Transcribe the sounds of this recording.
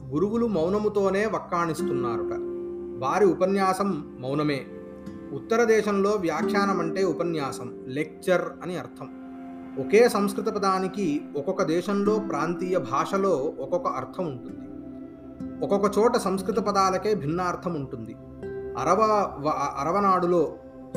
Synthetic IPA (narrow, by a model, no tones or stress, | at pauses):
ɡuɾuʋulumɐwnɐmut̪o̞ːne̞ːʋɐkːaːɳist̪unːaːɾuʈɐ̰ʋaːɾiupɐnjaːsɐmː | ɐwnɐme̞ː | ut̪ːɐɾɐd̪ɛːʃɐmlo̞ːʋjaːkʰjaːnɐmɐɳʈe̞ːupɐnjaːsɐm | lek̚t͡ʃɐɾɐniɐɾt̪ʰɐm | ɔkeːsɐmskɾut̪ɐpɐd̪aːnikiɔkɔkɐd̪ɛːʃɐmlo̞ːpɾaːnt̪iːjɐbʱaːʂɐlo̞ːɔkɔkɐʔɐɾt̪ʰɐmuɳʈund̪i | ɔkɔkɐt͡ʃɔːʈɐsɐmskɾut̪ɐpɐd̪aːlɐke̞ːbʱinːaːɾt̪ʰɐmuɳʈund̪i | ɐɾɐɐɐɾɐʋɐnaːɽulo̞ː